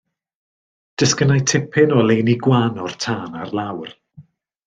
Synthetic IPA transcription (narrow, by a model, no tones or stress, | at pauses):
d̥əskənajtʰɪpʰɪnɔlˠejniɡwanɔr̥tʰaːnarlˠawr